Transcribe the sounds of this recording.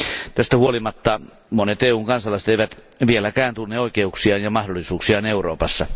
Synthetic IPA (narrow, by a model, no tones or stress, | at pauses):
t̪æst̪æhuolimɑt̪ːɑ | monet̪eːuːŋkɑnsɑlɑˑiset̪eˑiʋæt̪ | ʋielækæːnt̪unːeoˑikeuksiɑːnjɑmɑhdolːˑisuːksiɑːneuroːpɑsːɑ